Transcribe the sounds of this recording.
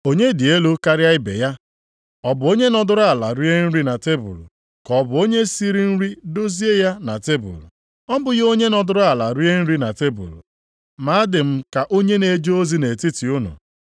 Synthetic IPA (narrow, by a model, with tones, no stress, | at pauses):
o˦ɲe˦dɪ˨e˦lo˦ka˦ɾɪ˦a˦ɪ˦bḛ˨ja˦ | ɔ˦bʊ˨o˦ɲe˦nɔ˦dʊ˦ɾʊ˦a˨la̰˨ɾi˦e˦n̩˦ɾi˦na˨te˦bṵ˨l | kɔ˨bʊ˨˦o˦ɲe˦si˦ɾi˦n̩˦ɾi˦do˦zi˦e˦ja˦na˨te˦bṵ˨l | ɔ˦bʊ˨jo˦ɲe˦nɔ˨dʊ˦ɾʊ˦a˨la˨ɾi˦e˦n̩˦ɾi˦na˨te˦bṵ˨l | ma˨˦a˦dɪ˨m̩˦ka˨ʔo˦ɲe˦ne˨˦d͡ʒo˦o˦zi˦ne˨ti˦ti˨ʊ˦nʊ̰˨